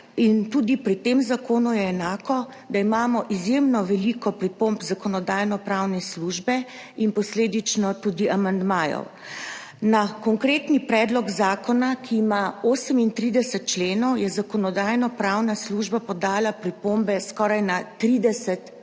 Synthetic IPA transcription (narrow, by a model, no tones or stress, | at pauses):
int̪uːd̪ipɾit̪eːmzakoːnujɛːnaːkɔd̪aimaːmɔʔizjemnɔʋɛlikɔpɾipombzakɔnɔd̪aːjnɔpɾawnɛsluʒbɛ | inpɔsleːd̪it͡ʃnɔt̪uːd̪iʔamand̪maːjɔ̰w | nakɔŋkɾeːt̪nipɾɛd̪lɔɡzaːkɔnakʰiːmaoːsəmint̪ɾid̪ɛsɛt̪̚t͡ʃleːnɔwjɛzakɔnɔd̪aːjnɔpɾawnasluʒbapɔd̪aːlapɾipombɛskɔɾajnat̪ɾid̪ɛsɛt̪